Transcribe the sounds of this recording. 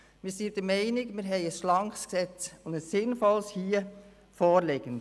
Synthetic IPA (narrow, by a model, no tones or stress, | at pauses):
mɪːsiːd̥əɾmɛɪnɪɡmɪːɾɦɛɪəsʃlɑŋksksɛt͡sʊndəssɪnfɔlshiːə | foːɾlɪɡ̥ən